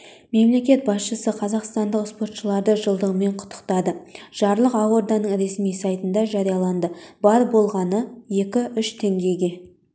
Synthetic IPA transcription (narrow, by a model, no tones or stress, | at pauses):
me̞mle̞kʲe̞t̪̚bɑsʃəsəqʰɑzɑqst̪ɑnd̪əqspo̞rt̪ʃəlˠɑɾd̪əʒəlˠd̪əʁəme̞ɴqʰʊ̥t̪ːə̥qt̪ɑd̪əʒ̥ɑɾlˠəqɑwoɾd̪ɑnəɴɾe̞smijsɑjt̪ənd̪ɑʒɑɾijɑlˠɑnd̪əbɑɾbo̞lˠʁɑnəje̞kʲɪʏʃt̪ʰe̞ŋɡʲe̞ɡʲe̞